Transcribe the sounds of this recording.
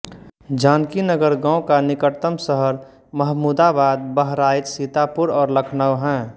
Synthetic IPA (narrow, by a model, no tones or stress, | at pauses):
d͡ʒaːnkinəɡəɾɡãːõkanɪkəʈt̪əmsəɦəɾ | məɦmuːd̪abaːd̪̚bəɦɾaːjt̪sit̪apʊɾɔːɾləkʰnəʋɦɛ̃ː